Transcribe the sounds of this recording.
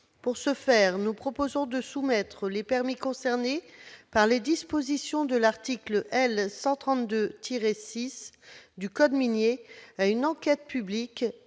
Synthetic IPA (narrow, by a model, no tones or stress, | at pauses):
puʁsəfɛʁnupχɔpozɔ̃d̪əsumɛt̪χəlepɛʁmikɔ̃sɛʁnepaʁled̪ispozisjɔ̃d̪əlaʁt̪ikləʔɛlsɑ̃t̪χɑ̃t̪d̪øt̪ʰiʁesisd̪ykɔd̪minjeaynɑ̃kʲɛt̪̚pyblik